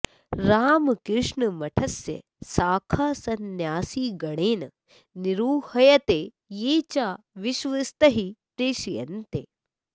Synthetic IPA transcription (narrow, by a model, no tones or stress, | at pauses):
ɾaːmkɾɪʂɳɐmɐʈʰɐsjɐ̰ | saːkʰaːsɐnjaːsiːɡɐɽ̃eːnɐ | niɾuːhɐjɐt̪eː | jeːt͡ʃaː | ʋɪʃʋɐst̪ɐɦipɾeːʃijɐ̰nt̪ḛː